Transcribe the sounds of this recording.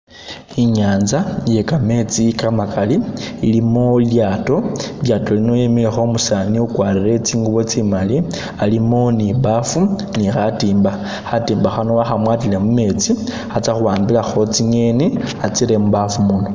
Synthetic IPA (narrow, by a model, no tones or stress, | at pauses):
iɲaːnzaje̞kame̞t͡sikamakaliilimoljaːto̞ljaːto̞lino̞jemilexo̞musaniukwaːɾire̞t͡siːŋɡuβo̞t͡simali | alimoniβafu | nixatiːmba | xatiːmbaxanowaxamwatilemume̞t͡si | xat͡saxuwaːmbilaxo̞t͡siɲeniat͡siɾe̞muβafumuno